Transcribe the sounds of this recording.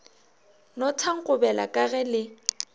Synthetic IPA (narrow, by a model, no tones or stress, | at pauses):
nɔtʰaŋ̩kʼʊbɛla̰kʼaɣɛlɪ